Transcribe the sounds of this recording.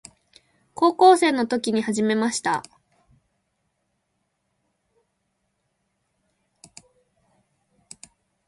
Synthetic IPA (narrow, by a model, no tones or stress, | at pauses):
ko̞ːko̞ːse̞ːno̞t̪o̞kʲiɲ̟ihaʑime̞maɕi̥t̪a̰